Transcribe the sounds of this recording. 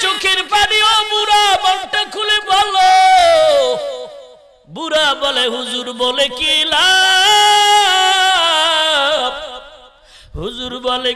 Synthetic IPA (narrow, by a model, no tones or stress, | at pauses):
t͡ʃukʰiɾpaɖiɔbuɾabɔɳʈekʰulibɔlo | buɾabɔleɦuzuɾbɔlekila | ɦuzuɾbɔle